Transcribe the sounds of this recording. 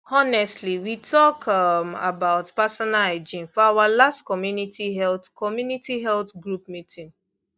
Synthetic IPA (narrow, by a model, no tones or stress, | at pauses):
ɔnɛstliwitʰɔkʰama̰baʊtpasɔnaled͡ʒĩnfɔawalastkɔmjunitiɦɛltkɔmjunitiɦɛltɡɹup̚mitʰĩn